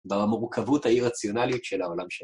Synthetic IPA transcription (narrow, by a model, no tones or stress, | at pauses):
vaamuʁkʰavuthaiʁat͡sjo̞naliutʃelao̞lamʃe